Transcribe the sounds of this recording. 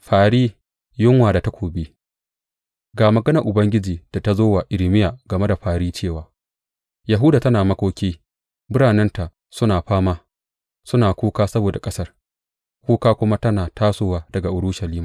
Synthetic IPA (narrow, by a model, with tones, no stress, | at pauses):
ɸaː˨ɽiː˦ | jʊ˦ŋwaː˨da˨ta˦kʷoː˨biː˦ | ɡaː˨mɐ˨ɡɐ˦nɐ˨ʔʊ˨bɐ˦ŋɡʲɪ˦d͡ʒiː˨d̥a˨ta˦zoː˦wa˨ʔɪ˨lmɪ˦jaː˨ɡɐ˨me˦da˨ɸaː˨ɾiː˦t͡ʃeː˦˨waː˨ | ja˨ɦʊ˦daː˨tɐ˦naː˨mɐ˦kʷoː˦kʲiː˦ | mʊ˦ɽaː˨nɛ˦nta˨ʔ | sʊ˦naː˨ɸaː˦maː˦ | sʊ˦naː˨kʷoː˦kaː˦sɐ˦boː˨da˨kʼɐ˦sɐ˦r | kʷoː˦kaː˦kʷʊ˦ma˦tɐ˦naː˨tʰaː˦soː˦waː˦dɐ˨ɡa˨ʔʊ˨ɽʊ˦ʃɐ˨liː˦maː˨